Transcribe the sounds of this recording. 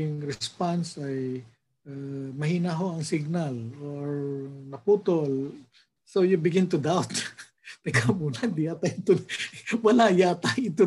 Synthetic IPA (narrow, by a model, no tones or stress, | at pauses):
ʊŋɾɛspansɐj | ʔamɐhiːnaɦo̞ʔɐŋsɪɡ̚naloɹnɐpuːt̪ol | sowjʊbɪɡɪnt̪ʊd̪awt̪ | t̪ɐkʰamuːnɐd̪ɪjat̪ajɪt̪owɐlajat̪ajɪt̪o